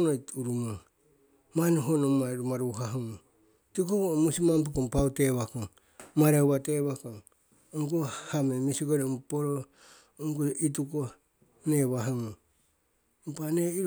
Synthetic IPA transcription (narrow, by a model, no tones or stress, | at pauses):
nouɾumo | maneɦonomaɾumaɾuɦaɦuŋu | tikokomusimamp̬ukompauteβakoŋ | maɾawβateβakoŋ | oŋkuhamemisiɡoɾempoɾo | oŋkuʔit̬uko | neβaɦaŋo | mpaneiɾ